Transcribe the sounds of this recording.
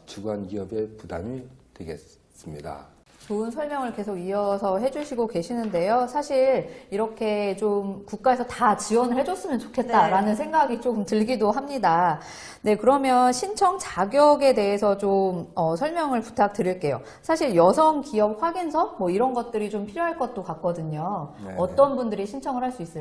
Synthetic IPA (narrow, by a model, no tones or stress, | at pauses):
t͡ɕuɡanɡiʌbe̞puda̰mitweɡe̞̰ | s͈ɯmɲida̰ | t͡ɕoɯnsʰʌɭmjʌŋɯɭke̞sʰoɡiʌsʰʌɦe̞d͡ʑuɕʰiɡoke̞ɕʰinɯnde̞josʰaɕʰiɭiɾʌkʰe̞t͡ɕomkuk̚k͈ae̞sʰʌtat͡ɕiwʌnɯɭhed͡ʑʌs͈ɯmjʌnt͡ɕo̥kʰe̞t̚t͈aɾanɯns̬ʰe̞ŋɡaɡit͡ɕomtɯɭɡidoɦamɲida | ne̞kɯɾʌmjʌnɕʰint͡ɕʰʌŋt͡ɕaɡjʌɡe̞de̞ɦesʰʌt͡ɕomʌsʰʌɭmjʌŋɯɭpu̥tʰak̚t͈ɯɾiɭk͈e̞jo̰ | sʰaɕʰiɭjʌsʰʌŋkiʌp̚ɸwaɡinsʰʌmwʌiɾʌnɡʌt̚t͈ɯɾit͡ɕompʰiɾjoɦaɭk͈ʌt̚t͈okak̚k͈ʌdɯɲoːt͈ʌnbundɯɾiɕʰint͡ɕʰʌŋɯɭɦaɭs͈uis͈ɯ